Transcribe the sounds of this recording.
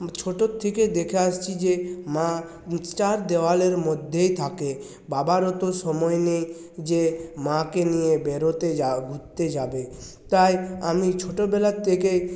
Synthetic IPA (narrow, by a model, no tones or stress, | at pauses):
t͡ʃʰoʈot̪ʰːeked̪ekʰeast͡ɕʰid͡ʑemã | sʈaɾd̪ewaleɾmod̪ʱːejt̪ʰake | babaɾɔt̪oʃɔmɔenej | d͡ʑemãkenijebeɾot̪eaɡʱutt̪ed͡ʒabe | t̪ajamit͡ʃʰoʈobɛlat̪ʰːeke